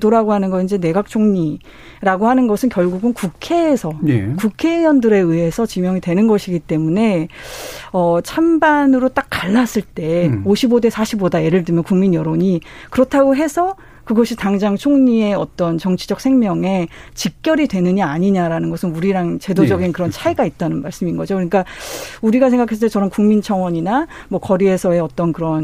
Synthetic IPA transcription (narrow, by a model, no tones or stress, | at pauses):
doɾaɡoɦanɯnɡʌind͡ʑe̞ne̞ɡak̚t͡ɕʰoŋɲi | ɾaɡoɦanɯnɡʌsʰɯnkjʌɭɡuɡɯnkukʰe̞ːsʰʌekukʰe̞jʌndɯɾe̞ɯɦe̞sʰʌt͡ɕimjʌŋitwe̞nɯnɡʌɕʰiɡit͈e̞mune̞ | ʌt͡ɕʰambanɯɾot͈ak̚k͈aɭːas͈ɯɭt͈e̞oɕʰibode̞sʰaɕʰibodaje̞ɾɯɭdɯmjʌnkuŋminjʌɾoɲikɯɾʌtʰaɡoɦe̞sʰʌ | kɯɡʌɕʰitaŋd͡ʑaŋt͡ɕʰoŋɲie̞ʌt͈ʌnt͡ɕʌŋt͡ɕʰid͡ʑʌk̚sʰe̞ŋmjʌŋe̞t͡ɕik̚k͈jʌɾidwe̞nɯɲiaɲiɲaɾanɯnɡʌsʰɯnuɾiɾaŋt͡ɕe̞dod͡ʑʌɡinkɯɾʌnt͡ɕʰaiɡait̚t͈anɯnmaɭs͈ɯminɡʌd͡ʑokɯɲik͈auɾiɡas̬ʰe̞ŋɡakʰasɯntet͡ɕʌɾʌmkuŋmint͡ɕʰʌŋwʌɲinamwʌkʌɾie̞sʰʌe̞ʌt͈ʌnkɯɾʌn